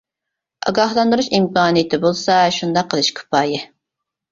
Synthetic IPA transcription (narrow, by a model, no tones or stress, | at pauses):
ɑ̰ɡɑhlˠɑnd̪ɨɾuʃimkɑːnɨjɪt̪ʰɪbolˠsɑʃund̪ɑqʰːəlˠɨʃkʰʊ̥pʰɑːjɪ